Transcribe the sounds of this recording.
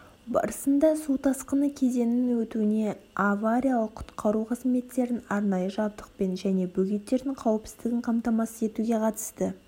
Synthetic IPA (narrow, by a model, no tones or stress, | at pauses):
bɑ̰ɾəsənd̪ɑsut̪ʰɑsqənəkʲʰe̞ze̞nɪŋwɵt̪uɪne̞avaɾʲijalˠəqʰːʊ̥t̪qɑɾuqʰəzme̞t̪ːe̞ɾɪnɑɾnɑjəʒɑb̚d̪əq̚pe̞nʒæne̞bɵɡʲet̪ːe̞ɾd̪ɪŋqʰɑwəpsɪzd̪ɪɡʲɪɴqʰɑmt̪ɑmɑsəe̞t̪uɡʲe̞qʰɑt̪ə̥st̪ə